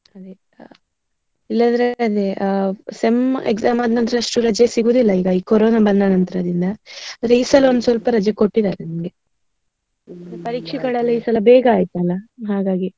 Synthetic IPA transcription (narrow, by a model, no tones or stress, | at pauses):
ɐd̪e | ilːɐd̪ɐɾeɐd̪eʔsemḛɡzaːmɐd̪nɐnt̪ɐɾeɐʂʈuɾɐd͡ʒjɐsiɡuːd̪ilːɐiːɡɐiːkoɾoːnabɐnːanɐnt̪ɐɾɐd̪ind̪ɐɐd̪ɾeiːsɐlːo̞nd̪sʋɐlpɐɾɐd͡ʒjɐkoʈːid̪aːɾenimɡe̞ | d̪pɐɾiːkʂɛɡɐɭɐlːɐiːsɐlɐbeːɡɐaːjt̪uɐlːɐɦaːɡaːɡi